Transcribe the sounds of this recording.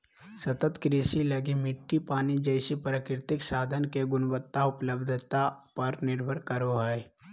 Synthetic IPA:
sɐt̪ət̪kɾiːsilɐɡimɪʈːipaːnid͡ʒəɪsipɾəkɾɪt̪ɪksaːd̪ʱənkeɡʊnbət̪ːaʊpləbd̪ʱt̪apəɾnɪɾbʱəɾkəɾoɦɛe

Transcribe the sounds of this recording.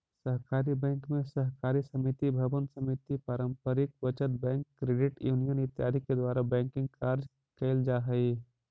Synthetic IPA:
səɦkaːɾibɛ̃ːŋkmẽsəɦkaːɾisəmit̪ibʱɐbənsəmit̪ipaːɾəmpəɾɪk̚ʋət͡ʃət̪̚bɛ̃ːŋkːɾeːɖɪʈjuːnijənɪt̪jaːd̪ʱiked̪waːɾabɛ̃ːŋkɪ̃ŋɡ̚kaːɾd͡ʒ | keːld͡ʒaːɦəi

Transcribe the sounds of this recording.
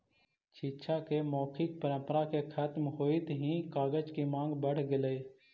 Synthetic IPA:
t͡ʃʰiːt͡ʃʰakemɔːkʰɪk̚pəɾə̃mpəɾakekʰət̪mɦoːit̪ɦĩkaːɡəd͡ʒkimãːŋɡbəɽɡɪləeː

